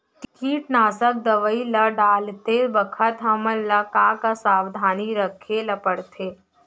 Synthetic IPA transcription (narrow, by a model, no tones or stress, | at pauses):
ʈɪkiːʈnaːsək̚d̪əʋəilɐɖaːlt̪ebəkʰət̪ɦɐməlːɐkakasaːwd̪ʱaːniɾəkʰelɐpəɽt̪ʰeː